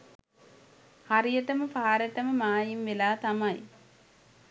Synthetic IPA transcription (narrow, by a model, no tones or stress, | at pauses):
hɐrijɐʈːɐmɐpaːɾɐʈːɐmɐmaːjimʋelaːt̪ɐmɐj